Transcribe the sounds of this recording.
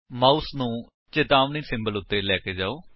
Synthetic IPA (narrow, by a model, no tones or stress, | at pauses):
maːusnũː | t͡ʃɪt̪aːʋniːsɪ̃mbəlʊt̪ːeːlɛːkeːd͡ʒaːoː